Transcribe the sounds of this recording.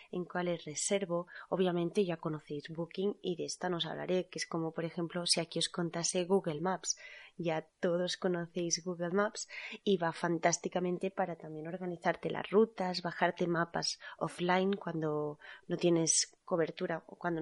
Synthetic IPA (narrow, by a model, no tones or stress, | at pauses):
e̞ŋkwale̞sre̞se̞ɾβo̞oβjamẽ̞nt̪e̞ʝako̞no̞θe̞jzβukiŋiðeest̪ano̞sa̰βla̰ɾe̞kesko̞mo̞po̞ɾe̞xe̞mplo̞siakio̞sko̞nt̪ase̞ɣuɣe̞lmapsʝat̪o̞ð̞o̞sko̞no̞θe̞jzɣuɣelmapsiβafant̪ast̪ikamẽnt̪e̞paɾat̪ambje̞no̞ɾɣaniθaɾt̪e̞lʔa̰zrut̪azβaxaɾt̪e̞mapa̰so̰flajŋkwand̪o̞no̞t̪je̞ne̞sko̞β̞e̞ɾt̪uɾaokwand̪o